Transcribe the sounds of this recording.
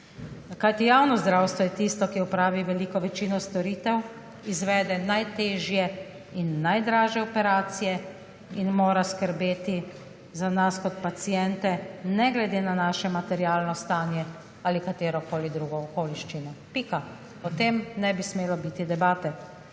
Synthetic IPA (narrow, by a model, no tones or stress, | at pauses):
kajt̪ijawnɔzd̪ɾawst̪ʋɔjɛt̪ist̪ɔkiɔpɾaːʋiʋɛliːkɔʋɛt͡ʃinɔst̪ɔɾiːt̪ɛw | izʋɛːd̪ɛnajt̪eːʒjɛ | inːajd̪ɾaːʒjɛɔpɛɾaːt̪sijɛ | inmoːɾaskəɾbeːt̪i | zanaskɔt̪pat̪sijɛnt̪ɛnɛɡlɛd̪eːnanaːʃɛmat̪ɛɾiaːlnɔst̪aːnjɛ | alikat̪eːɾɔkoːlid̪ɾuːɡɔːkoːliʃt͡ʃinɔpika | ɔt̪emnɛbismeːlɔbit̪id̪ɛbaːt̪ɛ